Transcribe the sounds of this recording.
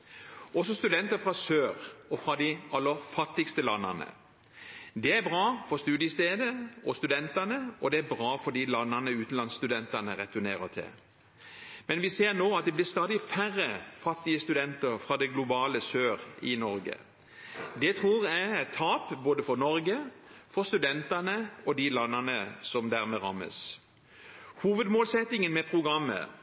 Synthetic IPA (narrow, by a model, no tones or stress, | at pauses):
ɔsɔst̪ʉd̪ɛnt̪əfʁɑsøːʁɔfɾɑd̪ɪɑlːəɾfɑt̪ːɪkst̪əlɑnːə̰nə̰ | d̪ɛæbʁɑːfɔʁst̪ʉːd̪jəst̪eːd̪əɔst̪ʉd̪ɛnt̪ɑnəɔd̪ɛæbʁɑːfɔɖiːlɑnːənəʉːt̪n̩lɑnst̪ʉd̪ɛnt̪ɑnəʁɛt̪ʉnḛːʁət̪ʰɪ̰l | mɛnʋɪseːʁnoːɑt̪̚d̪ɛblɪʁst̪ɑːd̪ɪfæʁːəfɑt̪ːɪəst̪ʉd̪ɛnt̪əɾfʁɑːd̪ɛɡlʊbɑːləsøːʁɪnɔɾɡə̰ | d̪ɛt̪ʰʁuːʁææt̪ʰːɑːpboːd̪əfɔɾnɔɾɡəfɔʁst̪ʉd̪ɛnt̪ɑnəɔd̪ɪlɑnːɑnəsɔmd̪æːʁmɛʁɑ̰mːə̰s | huːʋəd̪moːlsɛt̪ːɪŋənmɛpʰʁʊɡɾɑmːə̰